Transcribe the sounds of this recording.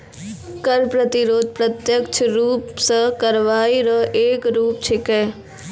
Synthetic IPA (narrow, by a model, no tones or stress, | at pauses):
kəɾpɾət̪iɾoːd̪̚pɾət̪jəkt͡ʃʰɾuːpsəkɐɾʋaːiɾəʔeːkɾuːp̚t͡ʃʰɪkɛː